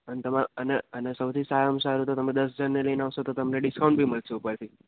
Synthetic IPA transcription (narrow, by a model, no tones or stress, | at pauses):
ənet̪əmãəneənesəwt̪ʰisaɾəmsaɾut̪ot̪əmed̪əsd͡ʒənːeləjneaʋʃot̪ot̪əmneɖɪskaũɳʈbʱiməlt͡ʃʰeupəɾt̪ʰi